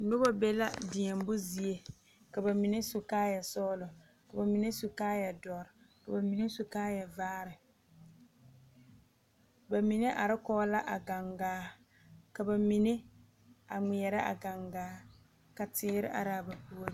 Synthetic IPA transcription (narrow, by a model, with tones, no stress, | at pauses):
nʊ˦bɔ˦bɛ˦la˦dɪ˨ɲɛ˨m˦bʊ˦zi˨˦e˨ | ka˨ba˨mi˨ne˦sʊ˨kaː˦ja˨sɔː˦lʊ˨ | ka˨ba˨mi˨ne˦sʊ˨kaː˦ja˨dɔ˨ɾɪ˨ | ka˨ba˨mi˨ne˦sʊ˨kaː˦ja˨vaː˦ɾɪ˨ | ba˨mi˨ne˦ʔa˨ɾɪ˦kɔː˦la˦ʔa˨ɡa˨ŋɡaː˦ | ka˨ba˨mi˨ne˦ | a˨ŋ͡mi˨ɛ˨ɾɪ˦ʔa̰˨ɡa˨ŋɡaː˨˦ | ka˨tɪː˦ɾɪ̰˦ʔa̰˨ɾa˦˨ba˨pu˦ɾ